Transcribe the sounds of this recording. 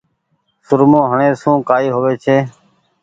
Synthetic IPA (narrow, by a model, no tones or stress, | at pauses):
sʊɾmõːɦəɳẽːsũːkaːiːɦoːʋeːt͡ʃʰeː